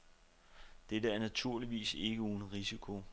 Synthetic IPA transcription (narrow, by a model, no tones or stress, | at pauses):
d̥edəæɐnæt͡sʰuɐ̰liʋḭːse̝ɡ̥əuːnəʁisikʰo̝